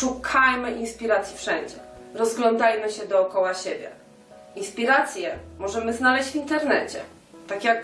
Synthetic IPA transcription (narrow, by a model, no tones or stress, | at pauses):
ʂukʰajmɘʔinspʲiɾat̪sʲjifʂɛɲd͡ʑɛ | ɾɔzɡlɔnd̪ajʲmɘɕɛd̪ɔːkɔwaɕebʲjɛ̰ | inspʲiɾat̪sʲjɛmɔʐɛmɘznalɛɕd͡ʑvʲint̪ɛɾnɛt͡ɕɛ̰ | t̪akʲjak